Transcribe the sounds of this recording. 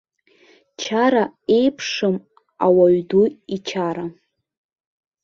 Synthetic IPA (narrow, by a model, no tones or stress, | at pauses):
t͡ʃʰaɾae̞jpʰʂɨm | a̰waɥduit͡ʃʰaɾa